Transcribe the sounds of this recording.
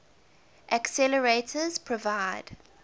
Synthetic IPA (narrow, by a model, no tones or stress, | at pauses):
ʔəksɛləɹetʰəz̥pʰɹ̥ɔvaɪd̥